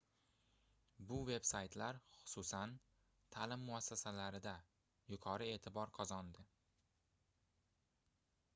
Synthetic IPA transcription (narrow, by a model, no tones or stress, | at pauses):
bʊve̞bsajt̪ʰlaɾχʊ̥sʊsan | t̪ʰalɪmːʊasːasalaɾɪd̪a | jʊqʰɒɾɪe̞ːt̪ʰɪbɒɾqʰɒzɒnd̪ɪ